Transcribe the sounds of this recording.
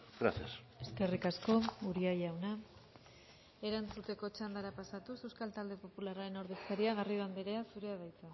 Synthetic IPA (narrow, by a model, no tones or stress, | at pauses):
ɡɾa̰θias | e̞ske̞rikasko̞uɾiajawna | e̞ɾant͡sut̪e̞ko̞t͡ʃand̪aɾapasat̪use̞wskalt̪ald̪e̞po̞pularaɾe̞no̞ɾðe̞skaɾiaɣ̞ariðambeɾe̞asuɾe̞aðajt͡sa